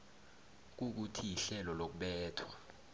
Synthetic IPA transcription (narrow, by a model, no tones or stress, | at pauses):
k̬uk̬utʰijiɬɛlɔlok̬uɓɛːtʰwa